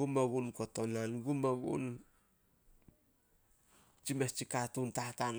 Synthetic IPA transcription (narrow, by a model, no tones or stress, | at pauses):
umaɡunkotonlonɡumaɡṵn | t͡ʃimest͡ʃikatuntatan